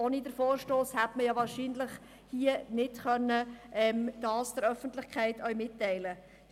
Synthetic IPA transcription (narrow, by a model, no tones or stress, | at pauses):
onidəɾfoːɾʃtoːshætməjɑʋɑːɾʃiːnləχ | hiənɪtχœnːəʔɛmd̥ɑːsd̥əɾœfənt̪lɪχkʰɛɪtʰœʏɥmɪtːɛɪlə